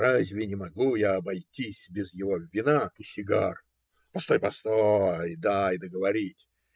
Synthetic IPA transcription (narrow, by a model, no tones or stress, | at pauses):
ɾazʲvʲɪnʲɪmɐɡujaɐbɐjtʲisʲbʲɪzjɪvo̞vʲɪnat̪usʲɪɡa̰r | pɐst̪o̞jpɐst̪ojd̪aɪd̪əɡəvɐɾʲitʲ